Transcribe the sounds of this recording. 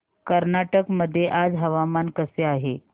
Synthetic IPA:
kəɾnaʈəkməd̪ʱːjeʔad͡zɦəʋamankəseaɦe

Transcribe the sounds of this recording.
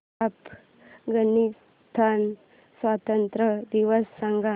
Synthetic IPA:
ap | ɡənis | t̪ʰan | sʋat̪ənt̪ɾəd̪iʋəsːaŋɡa

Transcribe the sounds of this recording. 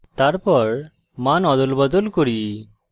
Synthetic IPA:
t̪aɾpɔɽ | manɔd̪ulbəd̪ɔlkuɽi

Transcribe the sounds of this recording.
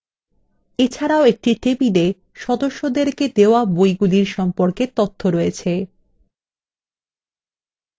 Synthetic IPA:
et͡ɕʰaɾaoek̚ʈiʈebid̪e | ʃɔd̪oʃːod̪eɾked̪eoabojɡuliɾʃɔmpoɾket̪ot̪ʰːoɾɔjet͡ɕʰe

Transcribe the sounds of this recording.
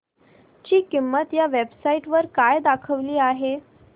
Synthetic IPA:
t͡ɕiːkimːət̪jaʋebsaiʈʋəɾkajd̪akʰəʋliːaɦe

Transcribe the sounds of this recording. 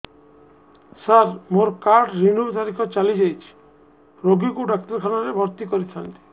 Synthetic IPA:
saɾmoɾkaɾʈɾinut̪aɾikʰɔt͡ʃalid͡ʒajt͡ʃʰi̥ | ɾoɡikuɖak̚t̪ɔɾkʰanaɾebʱɔɾt̪ikoɾit̪ʰant̪i̥

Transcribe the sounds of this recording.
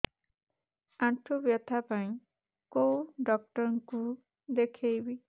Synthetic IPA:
aʈʰubjɔt̪ʰapãĩ | kowɖɔk̚ʈɔɾɔŋku | d̪ekʰejbi

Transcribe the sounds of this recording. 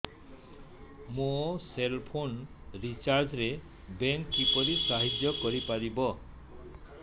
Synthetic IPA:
moselpʰonɾit͡ʃaɾd͡ʒɾe | beŋipɔɾisaɦid͡ʒjɔkɔɾipaɾibɔ

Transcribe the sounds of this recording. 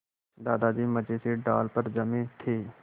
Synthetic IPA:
d̪aːd̪ad͡ʒiːməd͡ʒeseɖa̰ːlpəɾd͡ʒɐmĩːt̪ʰeː

